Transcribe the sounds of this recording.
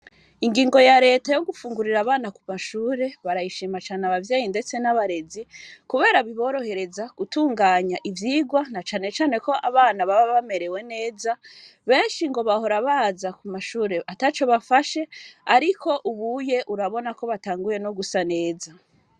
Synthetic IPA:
iŋɡiːŋɡo̞jaɾe̞ːtajo̞ɡufuːŋɡuɾiɾaβaːnakumaʃuːɾe̞βaɾajiʃiːmat͡ʃaːneaβavjeːjinde̞t͡se̞naβaɾe̞zikuβe̞ːɾaβiβo̞ɾo̞he̞ɾe̞zaɡ̥utuːŋɡaːɲaʔivjiːɡwanat͡ʃaːne̞t͡ʃaːne̞ko̞ʔaβaːnaβaβaβame̞ɾe̞we̞ne̞ːza | βe̞ːnʃiŋɡo̞βaho̞ɾaβaːzakumaʃuːɾe̞ʔatat͡ʃo̞βafaʃe̞aɾikʰo̞ʔuβuje̞ʔuɾaβo̞nako̞βataːŋɡuje̞noɡusane̞ːza

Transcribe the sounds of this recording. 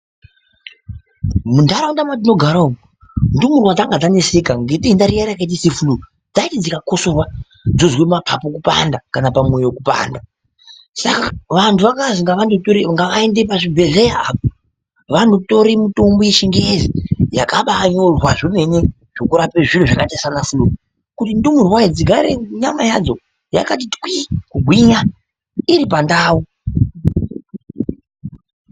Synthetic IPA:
mundaɾaundamadino̞ɡʱaɾauo | ndumurwad͡zaŋɡad͡zanesekaŋɡetiːndaɾijaɾajakait̬isefulu | d͡zaitid͡zikako̞sorwa | d͡zozwemapʰapokupa̰ndakanapamwe̞jwokupa̰ːnda | sakaʋantʰuʋakaziŋɡaʋandotoɾiŋɡaʋaendep̬aʐibʱe̞ɮejaːp̚o | ʋanoto̞ɾimutombojeʃiŋɡezijakaɓaɲorwaʐime̞ɲe̞ | ʐ̥o̞kuɾapeʐiruʐakatasanafuluku | kutindumurwaid͡ziɡʱaɾḛɲamajad͡zo | ja̰kat̬itwikuɡʱwiɲa | iɾip̬andaːwu

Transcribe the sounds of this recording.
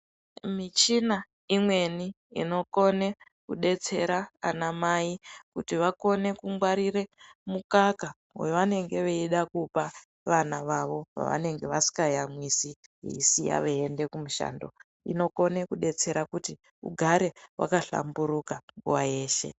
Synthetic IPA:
mit͡ʃina | imwe̞ni | ḭno̞ko̞ne̞ | kuɗe̞t͡se̞ɾaanamaikutiʋako̞ne̞kuŋɡwaɾiɾe̞mukaka | weʋane̞ŋɡe̞ʋeiɗakupa | ʋanaʋaʋo̞ʋa̰ʋa̰ne̞ŋɡe̞ʋasi̥kajamwisiḭsija̰ʋeende̞kumuʃa̰ːndo̞̰ | ḭno̞ko̞ne̞kuɗe̞t͡se̞ɾakuti | ṵɡʱaɾe̞wʔa̰kaɬa̰mbuɾukaŋɡuwaje̞ːʃe̞̰

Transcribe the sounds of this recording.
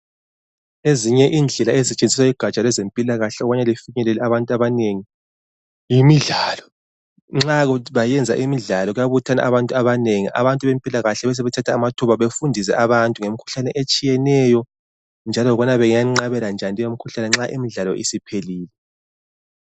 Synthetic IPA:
eziɲɛʔiːnd͡ɮʱɛlaezit͡ʃʼend͡zʱiswaiɡ̥ʱat͡ʃʼalɛzempʼilaɣaɬɛɔβaɲɛlifiɲɛlɛlɛaβantʼuaβaneŋi | jimiɮaːlɔ̥ | ŋ͡ǁaɣβajɛnd͡zʱa̰ʔimiɮalɔɣujaβutʰana̰ʔaβantʼuaβaneŋiʔa̰βantʼuβempʼilaɣaɬɛβɛs̬ɛβɛtʰatʰaːmatʰuβaβefundʱis̬ɛ̰ʔaβantʼuŋemikʰu̥ɬanɛʔet͡ʃʼijɛnɛjɔ | nd͡ʒʱalɔɣɔnaβɛŋjaŋ͡ǁaβɛland͡ʒʱandʱʼijomikʰuɬanɛŋ͡ǁaʔḭmiɮalɔ̰ʔḭsipʰeliːlɛ

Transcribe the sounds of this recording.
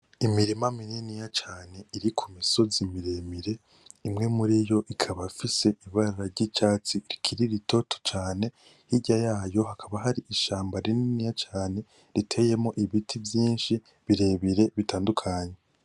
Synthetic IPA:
imiɾimamininijat͡ʃaːne̞iɾikʰumiso̞zimiɾe̞miɾe̞ | imŋe̞muɾijo̞ʔikʰaβafise̞ʔiβaɾaɾaɾɟit͡ʃaːt͡siɾikʰiɾiɾito̞tʰo̥t͡ʃaːne̞ | hiɟajaːjo̞hakʰaβaɦaɾiʔiʃaːmbaɾininijat͡ʃaːne̞ | ɾitʰe̞je̞moʔiβitʰivjiːnʃi | βiɾe̞βiɾe̞βitaːndukʰaɲe̞

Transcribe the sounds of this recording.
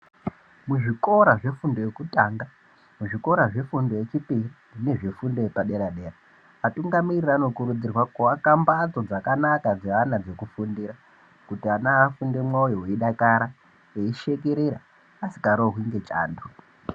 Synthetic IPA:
muʐiko̞ɾaʐe̞fundo̞jekutaːŋɡa | muʐiko̞ɾaʐe̞fundo̞jet͡ʃipirine̞ʐifundojepaɗe̞ɾaɗe̞ra | atuŋɡamirirano̞kuɾud͡zirwakoakambat͡so̞d͡zakanakad͡zeanad͡ze̞kufundiɾa | kutianaːfunde̞mwaujoweiɗakaɾa | eiʃe̞k̬eɾeɾaː | si̥kaɾoɦwiŋɡe̞t͡ʃa̰ːndo

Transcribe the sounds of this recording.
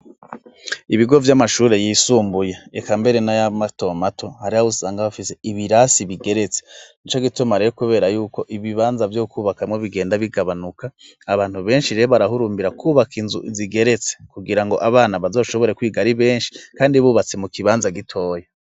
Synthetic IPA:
iβiɡo̞vjamaʃuːɾe̞jiːsuːmbujeekambe̞ɾe̞najamato̞matʰo̞haɾihausaːŋɡaβafise̞iβiɾasiβiɡe̞ɾe̞t͡senit͡ʃo̞ɡitumaɾejokuβe̞ːɾajuːko̞ʔiβiβaːnzavjokuːβakamŋoβiɡe̞ːndaβiɡaβanukʰaː | βaːn̥huβe̞ːnʃiɾeoβaɾaɦuɾuːmbiɾakʰuβakinzuʔziɡe̞ɾe̞t͡se̥kuɡiɾaŋɡo̞ʔaβaːnaβazo̞ːʃo̞βo̞ɾekwiːɡaɾiβe̞ːnʃi̥kaːndiβuːβat͡semukiβaːnzaɡitʰo̞ːje

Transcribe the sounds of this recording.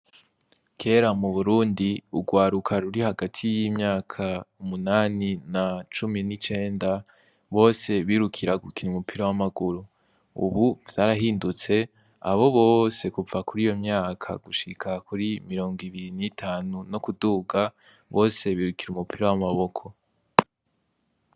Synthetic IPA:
kʰe̞ːɾamuβuɾuːndiṵɡwaːɾukʰaɾuɾihaɡatʰijimɲaːkʰaumunaːninat͡ʃuminit͡ʃe̞ːnda | βo̞ːse̞βiɾukʰiɾaɡukiɾumupʰiɾawamaɡuɾu | ṵβuv̥aɾaɦiːndut͡se̞ | a̰βo̞βo̞ːse̞kuvakuɾijo̞mɲaːkʰa̰ɡ̥uʃikʰakuɾimiɾo̞ːŋɡiβiɾinitʰaːnunokuduːɡa | βo̞ːse̞βiːɾukiɾumupʰiɾawamaβo̞kʰo̞

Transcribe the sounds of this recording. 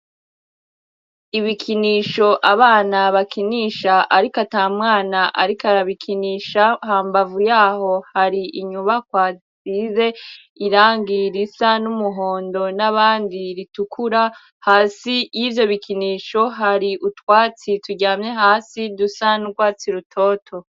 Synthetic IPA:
iβikʰiniːʃo̞ʔaβaːnaβakiniʃaʔaɾikataːmŋaːnaʔa̰ɾikaɾaβikʰiniːʃahaːmbavujaːho̞haɾiʔiɲuβakwaːt͡size̞ | iɾaːŋɡiɾisanumuɦo̞ːndo̞naβaːndiɾitukʰuɾa | haːsijivjo̞βikiniːʃo̞ɦaɾiʔutwaːt͡situɟaːmɲe̞ɦaːsidusanuɡwaːt͡siɾutʰo̞ːtʰo̞

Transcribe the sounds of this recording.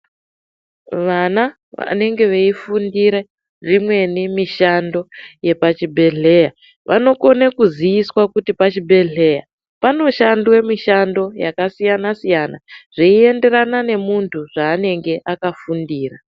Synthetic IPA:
ʋana | ʋa̰ne̞ŋɡe̞ʋeifundiɾe | rimwe̞nemiʃando̞je̞pat͡ʃibʱe̞ɮe̞ja | ʋano̞ko̞nekuzijiswakutipat͡ʃibʱe̞ɮe̞ja̰ | pano̞ʃandwemiʃando̞jakasijanasijanaʐ̥iie̞nde̞ɾanane̞muntʰuʐaːne̞ŋɡe̞ʔakafundiːra

